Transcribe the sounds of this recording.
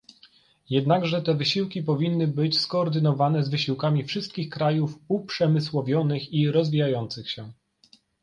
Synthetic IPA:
jɛd̪naɡʐɛt̪ɛvɘɕiwkʲipɔvʲinːɘbɘt͡ɕskɔːɾd̪ɘnɔvanɛzvɘɕiwkamʲifʂɘst̪̚kʲixkɾajufupʂɛmɘswɔvʲjɔnɘxiɾɔzvʲijajɔnt̪sɘxɕɛ

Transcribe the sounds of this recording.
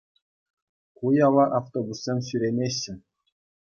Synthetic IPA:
kujɑlɑʔɑft̪obusːʲemʲɕyɾʲenʲeɕːɘ̆

